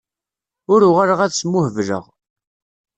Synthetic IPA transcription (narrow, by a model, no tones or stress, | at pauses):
ʊɾʊʁaɾəʁæðsmːʊhəvlə̰ʁ